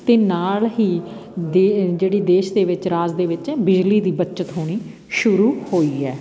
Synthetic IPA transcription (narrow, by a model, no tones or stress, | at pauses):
t̪eːnaːlɦiːd̪ed͡ʒeːɽiːd̪eːʃd̪eːʋɪt͡ʃɾaːzd̪eːʋɪt͡ʃɛːbɪd͡ʒliːd̪iːbət͡ʃət̪ɦoːɽ̃iː | ʃʊɾuːhoːiːɛː